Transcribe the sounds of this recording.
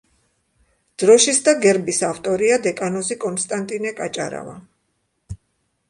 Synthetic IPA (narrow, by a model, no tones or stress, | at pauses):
d̪̥ɾɔʃisd̪aɡɛɾbisaft̪ʼɔɾiad̪ɛkʼanɔzikʼɔnst̪ʼant̪ʼinɛkʼat͡ʃʼa̰ɾa̰va̰